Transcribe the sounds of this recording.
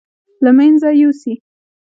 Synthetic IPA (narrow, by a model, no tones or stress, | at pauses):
lamanzajusi